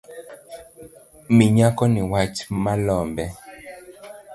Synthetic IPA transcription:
miɲakɔniwat͡ʃmalɔmbɛ

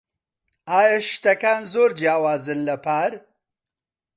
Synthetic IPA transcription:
aːjɐʃt̪ɐkaːnzoːɾd͡ʒjaːwaːzɨnlɐpʰaːɾ

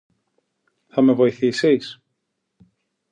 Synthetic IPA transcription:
θɐme̞vo̞iθisis

